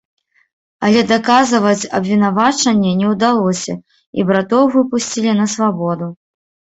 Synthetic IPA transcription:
ɐlʲɛd̪akazɨvɐt͡sʲɐbvʲinavat͡ʂɐnʲːɛnʲɛwd̪alˠɔsʲɐ̰ | ḭbɾat̪ɔwvɨpusʲt͡sʲilʲinɐsvabɔd̪u

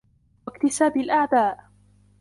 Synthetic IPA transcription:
wakt̪ɪsaːbalʔaʕd̪aːʔ

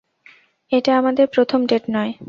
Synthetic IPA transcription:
eʈaamad̪eɾpɾot̪ʰomɖeʈnɔe

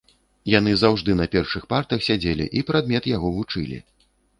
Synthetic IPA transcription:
janɨzawʐd̪ɨnɐpʲɛrʂɨxpart̪ɐxsʲad͡zʲelʲḭʔipɾad̪̚mʲɛt̪jaɣɔvut͡ʂɨlʲḭ

